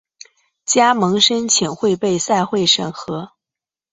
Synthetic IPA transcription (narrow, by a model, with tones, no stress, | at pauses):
t͡ɕja˥mɤ˧˥ŋʂə˥nt͡ɕʰi˨˩ŋxwe˥˧ɪpe˥˧ɪsa˥˧ɪxwe˥˩ɪʂə̰˨˩ŋxɤ˧˥